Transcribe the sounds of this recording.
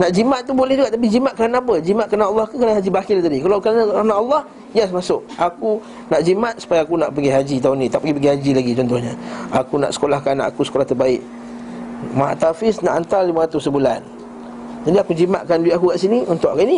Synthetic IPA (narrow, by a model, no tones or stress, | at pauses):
naʔd͡ʒimat̪̚ːubolɛhd͡ʒuɡaʔt̪ap̬id͡ʒimaʔ̪̚kəɾanaap̬əd͡ʒimat̪̚kəɾanaːlːɑhkukɾanaɦad͡ʒibakɪlt̪adikalawkəɾanaanaʔalːɑh | jasmasʊk̚aku | naʔd͡ʒimat̪̚su̥pajaːkunaʔpəɡiɦad͡ʒit̪aunit̪aʔpəɡipəɡihad͡ʒilaɡit͡ʃɔnt̪ʊhɲəakuna̰ʔsə̥kolahkanaʔakusə̥kolaht̪ərbaɪʔ̚ | maa̰ʔt̪afɪsna̰ʔant̪arlimaɾat̪ʊsːəbulan | d͡ʒadiakud͡ʒimaʔ̪̚kanduɪt̪akukaʔsiniunt̪ʊʔakaini